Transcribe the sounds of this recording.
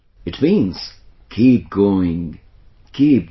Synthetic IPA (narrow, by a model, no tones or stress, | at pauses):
ɨt̚mĩnz̥ | kʰip̚ɡ̥oʊɪ̃ŋ | kʰip̚